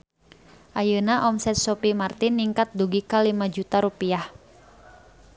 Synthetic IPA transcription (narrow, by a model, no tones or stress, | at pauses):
ʔajənaʔɔmsɛt̪̚sɔpimart̪inːiŋkat̪̚duɡikalimad͡ʒut̪aɾupiah